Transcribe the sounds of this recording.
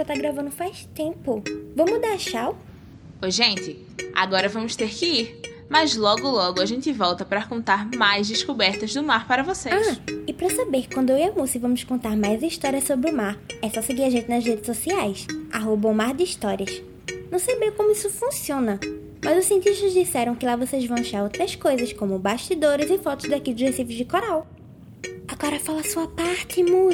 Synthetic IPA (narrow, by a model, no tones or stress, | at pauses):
sat̪aɡɾavɐ̃nd̪ʊfajst̪ẽpʊvɐ̃mud̪aɾʃaw | pojʒẽnt̪ɪ | a̰ɡɔɾɐvɐ̃mʊʃt̪eɾkɪiɾ | mɐzlɔɡʊlɔɡʊaʒẽnt̪ɪvɔwt̪ɐpɾɐkõnt̪aɾmajzd̪ɪʃkubɛɾt̪ɐzd̪ʊmaɾpaɾɐvoseaʃɪpɾɐsabeɾkwɐ̃nd̪ʊewɐmusɪvɐ̃mʊskõnt̪aɾmajziʃt̪ɔɾiɐsobɾɪʊmaɾɛsɔsɪɡiɾaʒẽnt̪ɪnɐzɦed̪ɪsosiajsa̰ɦobɐʊmaɾd̪ɪiʃt̪ɔɾiɐs | nɐ̃w̃sejbẽj̃kõmʊisʊfũsiõnɐ | mɐzʊsiẽnt̪iʃt̪ɐzd͡ʒisɛɾɐ̃w̃kɪlavosejzvɐ̃w̃aʃaɾowt̪ɾɐskojzɐskõmʊbaʃt̪id̪oɾɪzɪfɔt̪ʊzd̪akid̪ʒesivʊzd͡ʒɪkoɾaw | aɡɔɾɐfalɐsuɐpaɾt̪ɪmũ